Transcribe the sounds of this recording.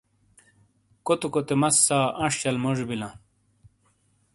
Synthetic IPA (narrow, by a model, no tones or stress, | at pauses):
kot̪ukot̪emɐsːaːʔɐ̃ʂt͡ɕɐlmoʑbilã